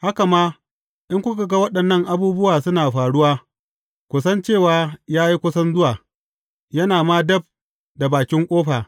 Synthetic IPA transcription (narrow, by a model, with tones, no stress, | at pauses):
ha˦ka˨maː˦ | ʔɪ˦ŋkʷʊ˦ka˨ɡɐ˦wɐ˦ɗɐ˨nːɐ˦ŋʔa˨buː˦bʊ˦waː˨sʊ˦naː˨ɸaː˨ɽʊ˦waː˦ | kʷʊ˨sɐ˦nt͡ʃeː˦˨waː˦jaː˦ji˦kʷʊ˦sɐ˦nzʊ˦waː˨ | jɐ˦naː˨maː˦dɐ˦b̚ | da˨baː˨kʲɪ˦ŋkʷʼoː˦ɸaː˨